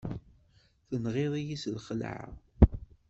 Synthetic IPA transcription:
θənʁɪðˤijislχəl̰ʕa̰

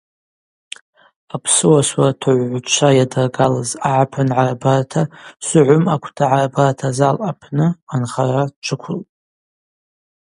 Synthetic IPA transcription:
apʰsɨwaswartʰɨʕʷʕʷt͡ʃʷʰajadarɡalazaʕapʰɨnʕarabartʰasʷʊʕʷʊmakʷʰtʰaʕarabartʰazalʔapʰnɨanχarat͡ʃʷʰɨkʷʰʊlʼ

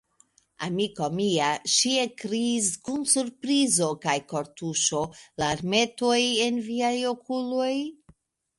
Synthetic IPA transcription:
a̰mikomiaʃiekɾiːskunsuɾpɾizo̞kajko̞ɾtuʃo̞laɾme̞to̞je̞nviajo̞kʰulo̞j

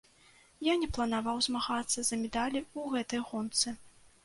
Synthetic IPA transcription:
janʲɛplˠɐnavawzmaɣat̪sːɐzɐmʲɛd̪alʲiuɣɛt̪ɐjɣɔnt̪sɨ

